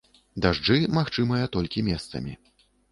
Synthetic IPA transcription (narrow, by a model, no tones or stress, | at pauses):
d̪aʐd͡ʐɨmaxt͡ʂɨmɐjɐt̪ɔlʲkʲimʲɛst̪sɐ̰mʲḭ